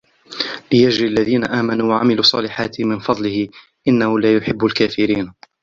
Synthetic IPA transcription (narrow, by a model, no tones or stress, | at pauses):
lɪjad͡ʒɾialːaðiːnaʔaːmanuːwaʕa̰mɪluːsˤɑːlɪħaːt̪ɪhmɪnfɑd̪ˤlɪhɪ | ʔɪnːahʊlaːjʊħɪbːʊlkaːfɪɾiːn